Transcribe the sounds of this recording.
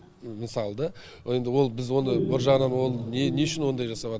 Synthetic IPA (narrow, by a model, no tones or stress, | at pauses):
mɪsɑlˠəd̪ɑ | je̞nd̪ɪwo̞lˠbɪzwo̞nəbɪɾʒɑʁnɑnwonˠneneʊʃɪnwo̞nd̪ɑjʒɑsɑpɑt̪